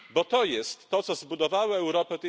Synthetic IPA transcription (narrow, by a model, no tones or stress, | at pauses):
bɔt̪ɔjɛst̪ːɔt̪sɔzbud̪ɔvawɛɛwɾɔpɛt̪ɛ